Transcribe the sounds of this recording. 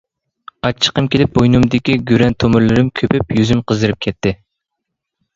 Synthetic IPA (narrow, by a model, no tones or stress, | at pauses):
ɑt͡ʃʰːə̥qəmkʲʰelɪp̚bojnumd̪ɪkʲiɡʲyɾɛnt̪ʰomɨɾlɨɾɪmkʲʰøpʰypjyzymqʰəzd̪ɨɾɨp̚kʲʰɛt̪ʰːɪ